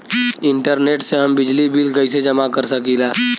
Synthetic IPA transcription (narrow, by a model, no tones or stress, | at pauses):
ɪ̃ɳʈəɾneːʈseɦəmbɪd͡ʒlibʱilkəised͡ʒɐmakəɾsəkilaː